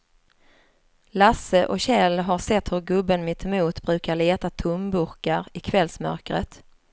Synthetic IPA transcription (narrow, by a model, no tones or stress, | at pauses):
lasəʔɔɕɛlɦaɾʂɛt̪ːhɵɾɡɵbːənmɪt̪muːt̪bɾʉ̟ːkaɭeːt̪at̪ʰʊmbɵɾkaɾɪkʰvɛlsmœ̰ɾkɾə̰t̪